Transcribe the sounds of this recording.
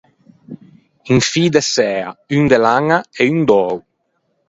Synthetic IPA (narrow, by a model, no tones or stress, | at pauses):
iŋfiːd̪esɛːa̰yŋd̪elaŋaɛyŋd̪ɔw